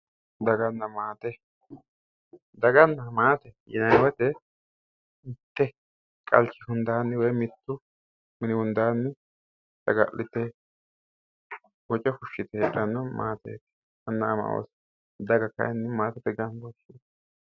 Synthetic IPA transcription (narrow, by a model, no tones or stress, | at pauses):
d̪ɐɡɐnːɐmaːt̪ɛ | d̪ɐɡɐnːɐmaːt̪ɛjɪ̰nɐjwɐt̪ɛ | ɪt̪ːɛ | kʼɐ̰lt͡ʃːɪhʊnd̪aːnːɛwɔjmɪt̪ːʊ | mɪnɪhʊnd̪aːnːɪ | sɐɡɐ̰lʔɪt̪ːɛ | wɔt͡ʃʼɛfʊʃːɪt̪ɛɛᶑɐnːɔmaːt̪ḛːkɛ̥ | ɐnːɐːmɐ̰wo̰s | d̪ɐɡɐkːɐ̰ɛnːɛmaːt̪ɛt̪ɛɡɐnbɔʃɪ